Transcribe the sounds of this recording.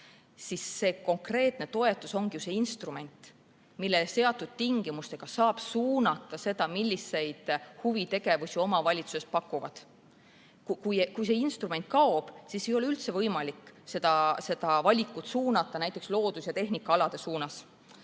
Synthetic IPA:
sisːe̞ːko̞ŋkre̞ːt̪ˑne̞t̪o̞e̞t̪ːˑuso̞ŋɡ̥ijuse̞inst̪rume̞nʲt̪ˑ | milːese̞ɑt̪ːˑud̪̥̚t̪iŋɡ̥imust̪e̞ɡ̥ɑsɑːb̥suːnɑt̪ːˑɑse̞d̪̥ɑmilʲːise̞jd̪̥huvit̪e̞ɡe̞vusʲio̞mɑvɑlʲit̪suse̞spɑkːˑuvɑd̪̥ | kukujkujs̬e̞inst̪rume̞nt̪̚kɑob̥sise̞jo̞leylt̪se̞vɤjmɑlikˑːse̞d̪̥ɑse̞d̪ɑvɑlʲikːˑut̪suːnɑt̪ːˑɑnæjt̪ːˑe̞kslo̞ːd̪̥usjɑt̪e̞ɦnikːɑɑlɑd̪̥e̞suːnɑs

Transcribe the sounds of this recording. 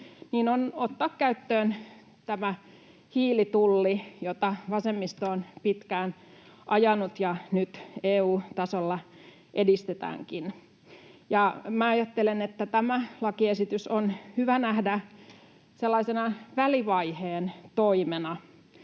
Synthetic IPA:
niːnonot̪ːɑːkkæyt̪ːøːn | t̪æmæ | hiːlit̪ulːijot̪ɑʋɑsemːist̪oːnpit̪kæːnʔɑjɑnut̪jɑnyt̪eːuːt̪ɑsolːɑ | ʔedist̪et̪æ̰ːŋkin | jɑmæɑjɑt̪ːelenet̪ːæt̪æmælɑkiesit̪ysonhyʋænæhdæ | selːɑisenɑʋæliʋɑiheːnt̪oimenɑ

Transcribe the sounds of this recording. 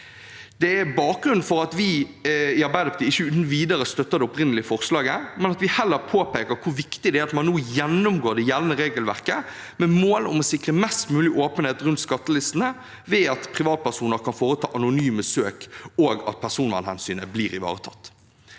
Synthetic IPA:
d̪̥ɛæbɑːk̚ɡɾʉnn̩fɔɾɑt̪ʋɪɪɑɾbæɪd̪ɑpʰɑt̪ʰiːɪçːəʉːt̪n̩ʋiːd̪əɾəst̪œt̪ːəʁd̪ɛʊpɾɪnəlɪəfɔʁslɑːɡəmɛnɑt̪ʋɪhɛlːəɾpʰoːpeːkəɾkʰʊɾʋɪkt̪ɪd̪ɛæːɾɑt̪mɑnːuːjɛnːʊmɡoːɾd̪ɛjɛʋnəɾeːɡəlʋæʁkə | mɛmoːlʊmɔsɪkʁəmɛst̪mʉːlɪʔoːpənheːt̪ɾʉnt̪skɑt̪ːəlɪst̪n̩ə | ʋɛːɑt̪pʰʁɪʋɑːt̪̚pʰæʁsuːnəɾkʰɑnfoːɾət̪ʰɑ̰ːʔɑnʊnyːməsøːkoːɡɑ̰t̪̚pʰæʁsuːnʋɑ̰nhɛ̰nsyːnəbliːɾɪʋɑ̰ːʁət̪ʰɑ̰t̪ː

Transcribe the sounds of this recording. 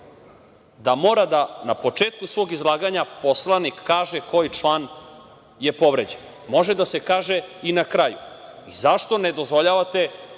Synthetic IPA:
d̪amo̞ːɾad̪anapo̞t͡ʂeːt̪kusʋo̞ːɡizlˠaːɡaɲapo̞slˠanikːaːʒeko̞jt͡ʃlˠaːn | jepo̞ʋɾed͡ʑen | mo̞ʒed̪asekaːʒeinakɾajṵizaʃt̪o̞ned̪o̞zvʋo̞ʎaʋat̪e̞

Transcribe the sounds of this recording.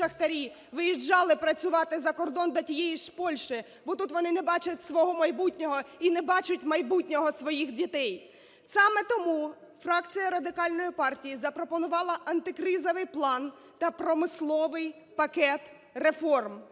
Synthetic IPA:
ɐxt̪ɐɾʲi | ʋɪjid͡ʒːɑlˠɪpɾɐt͡sʲʊʋɑt̪ɪzɐkɔrd̪ɔnd̪ɔtʲijɛjiʃpɔlʲʃɪ | bɔt̪ut̪ʋɔnɪnɛbɑt͡ʃɐtʲsʋɔɦɔmɐjbutʲnʲɔɦɔinɛbɑt͡ʃʊtʲmɐjbutʲnʲɔɦɔsʋɔjixdʲit̪ɛj | sɑmɛt̪ɔmu | frɑkt͡sʲijɐɾɐd̪ɪkɑlʲnɔjipɑrtʲijizɐpɾɔpɔnʊʋɑlˠɐʔɐnt̪ɪkɾɪzɔʋɪjplˠɑn | t̪ɐpɾɔmɪslˠɔʋɪj | pɐkɛt̪ | refɔrm

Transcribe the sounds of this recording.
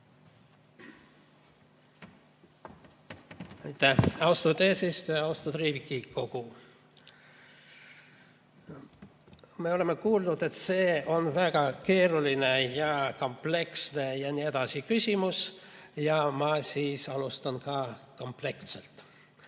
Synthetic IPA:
ejt̪ːæɑwst̪ut̪eːsist̪øjɑɑust̪ut̪riːvikːˑiko̞ɡ̥u | me̞o̞le̞mːe̞kuːlnud̪̥e̞t̪se̞ːo̞nvæɡ̥ɑke̞ːɾuline̞jɑko̞mple̞ksne̞jɑnied̪̥ɑsikysʲimusjɑmɑsiːsɑlust̪ɑnkɑko̞mple̞kt̪selt̪

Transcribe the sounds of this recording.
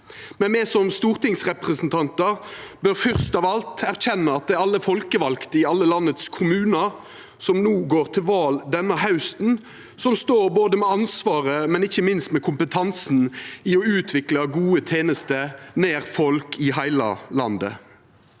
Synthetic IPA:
mɛnmɛsɔmst̪uːʁt̪ɪŋsʁɛpʁəsnt̪ʰɑnt̪əʁbøʁfʏʁst̪ɑːʋɑlt̪ʰæʁçɛnːɑɑt̪̚d̪ɛɑlːəfɔlkəʋɑlkt̪əɪɑlːəlɑnːət̪skʰʊmʉːnɑ | sɔmnuːɡoːʁt̪ʰɪlʋɑːld̪ɛnːɑhɑʉst̪n̩ | sɔmst̪oːʁboːd̪əmɛɑnsʋɑːʁəmɛnɪçːəmɪnst̪mɛkʰʊmpət̪ʰɑnsn̩ɪɔʉːt̪ʰʋɪklɑɡuːət̪ʰeːnəst̪əneːʁfɔlkʰɪɦæɪlɑ̰lɑ̰nd̪ə̰

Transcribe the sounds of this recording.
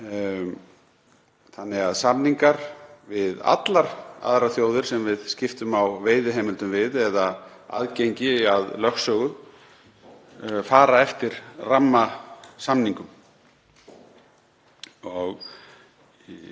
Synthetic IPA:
θanːɪɣaðsamniŋkaɾ̥vɪða̰t̪laɾ̥a̰ðɾaθjoːwðɪɾ̥sɛmvɪðscɪft̪ʏmawveːjðʏɦeːmɪlt̪ʏmvɪðɛða | a̰ðcejɲcɪaðlœxsœɣʏ | faːɾaɛft̪ɪɾ̥ramːasamniŋkʏm | ɔɣ

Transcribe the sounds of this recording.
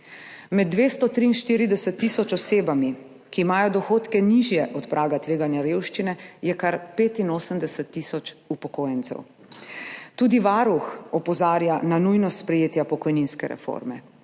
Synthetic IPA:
mɛd̪̚ːʋeːst̪ɔt̪ɾiːnʃt̪iːɾid̪ɛsɛt̪ːisɔt͡ʃɔseːbami | kiːmaːjɔd̪ɔxoːt̪kɛniʒjɛʔɔt̪pɾʔaːɡat̪ʋeːɡanjaɾewʃt͡ʃinɛjɛkaɾpeːt̪inoːsəmd̪ɛsət̪ːisɔt͡ʃupɔkoːjɛnt̪sɛ̰w | t̪uːd̪iʋaɾuxɔpɔzaːɾjananujnɔspɾɛjeːt̪japɔkɔjninskɛɾɛ̰fo̰ɾmɛ

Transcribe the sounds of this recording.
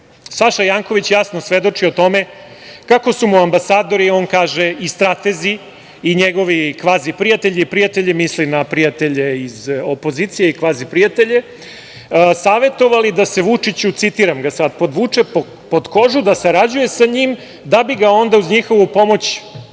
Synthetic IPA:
saʃajaːŋko̞ʋit͡ɕjasno̞sʋe̞d̪o̞t͡ʂio̞t̪o̞me̞ | kako̞sumuambasaːd̪o̞ɾio̞ːnkaːʒeist̪ɾat̪ezi | iɲeɡo̞ʋikʋaːzipɾijat̪e̞ʎiipɾiat̪eʎemislimnapɾijat̪e̞ʎe̞izopo̞zit̪sijeikʋaːzipɾijat̪e̞ʎe̞ | saːʋe̞t̪o̞ʋalid̪ase̞ʋut͡ʂit͡ɕut̪sit̪iɾamɡasad̪po̞d̪ʋut͡ʂep | po̞d̪ko̞ʒud̪asaɾad͡ʑuje̞saɲim | d̪abiɡao̞nd̪auzɲixo̞ʋupo̞mo̞t͡ɕ

